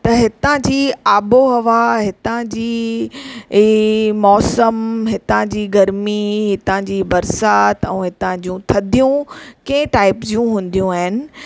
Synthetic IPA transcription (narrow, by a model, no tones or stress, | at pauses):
t̪ɐɦɪt̪ãd͡ʑiːaːboɦɐʋaɦɪt̪ãd͡ʑiː | mɔːsəmɦɪt̪ãd͡ʑiːɡɐɾmiɦɪt̪ãd͡ʑiːbɐɾsaːt̪ɛ̰̃ːɦɪt̪ãd͡ʑũt̪ʰɐd̪ʱijũkɐ̃ɪ̃ʈaːɪpzd͡ʑijũɦũːn̆d̪ijũaːɦɪnɪ̆